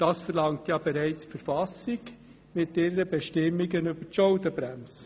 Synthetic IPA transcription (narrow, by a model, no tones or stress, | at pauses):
d̥ɑːsfəɾlɑŋtjɑːbɛɾɛɪt͡sfəɾfɑsɪɡ | mɪtɪɾəbɛʃtɪmːiɡənybəɾtʃɔʊdəbɾɛms